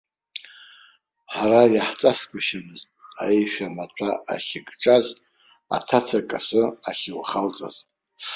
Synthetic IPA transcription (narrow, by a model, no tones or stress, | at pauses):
ħaɾajaħt͡sʼaskʷʰʼaʃamɨztʼa̰ejʃᶣamat͡ɕʷʰaʔa̰χʲɪkʼʈ͡ʂʼaz | a̰tʰat͡sʰakʼasɨaχʲɪlχalt͡sʼa̰z